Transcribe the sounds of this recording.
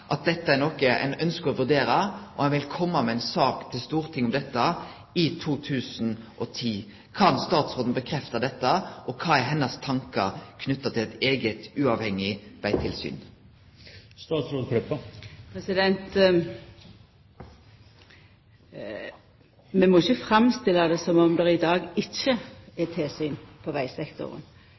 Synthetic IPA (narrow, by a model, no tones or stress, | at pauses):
ʔɑt̪̚d̪ɛt̪ːəæʁnɔkəæ̰ɪnœnskəɔʋʉd̪eːɾəʔɔhɑnʋɪlkʰɔmːəmɛæɪnsɑːkt̪ʰɪlst̪uːʁt̪ʰɪŋːʊmd̪ɛt̪ːə | ɪt̪ʰuːt̪ʰʉːsn̩ʔɔt̪ʰiː | kʰɑnst̪ɑːt̪sʁoːd̪n̩bəkʰɾɛft̪ɑd̪ɛt̪ːəʔɔkʰɑːɛɾɦɛnːəst̪ʰɑŋkə̰kʰnʏt̪ːɑt̪ʰɪlɛt̪eːɡət̪ʉːɑʋhɛŋːɪʋæɪt̪ʰɪlsy̰ːn | st̪ɑːt̪sɾoːd̪kʰɾœpːəpʰɾɛsɪd̪ɛnt̪ | mɛmɔɪçəfɾɑmst̪ɪlːɑd̪ɛsɔmɔmd̪ɛɾɪd̪ɑːɡɪçəɛt̪ʰeːsyːnpʰɔʋæɪsɛkt̪ɔ̰ʁə̰n